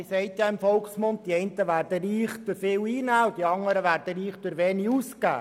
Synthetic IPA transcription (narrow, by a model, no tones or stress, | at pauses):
sɛɪt̪jɑɪmfɔlksmʊntt̪iɛjnt̪əʋæːɾdəɾiːχd̥øɾfɪːwiːnæːwd̥̪iɑŋːəɾəʋæːɾd̥əɾiːχd̥̪ʊɾʋɛːniuːskæ̰ː